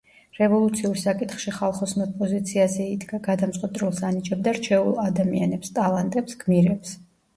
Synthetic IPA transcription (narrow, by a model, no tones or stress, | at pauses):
ɾɛvɔlˠut̪sʰiuɾsakʼit̪χʃiχalˠχɔsmɛt̪pʼɔzit̪sʰiazɛid̪ɡaɡad̪amt̪ʼqʼwɔt̪ʼɾɛlˠsanit͡ʃʼɛb̚d̪aɾt͡ʃʰɛṵlˠad̪amianɛpst̪ʼalˠant̪ʼɛpsɡ̥miɾɛps